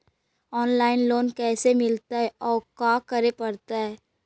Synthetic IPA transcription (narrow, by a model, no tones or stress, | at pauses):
ɔːnlaːɪnloːnkɛːsemɪlt̪aɦɛɔːɾkaːkɐɾepɐɾt̪aɦɛː